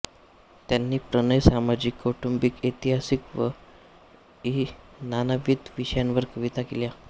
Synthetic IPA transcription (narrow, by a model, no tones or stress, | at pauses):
t̪janːiːpɾənəjsamad͡ʑikːoʈumbikit̪iɦasikʋə | i | nanəʋit̪ʋiɕəjanʋəɾkəʋit̪akelja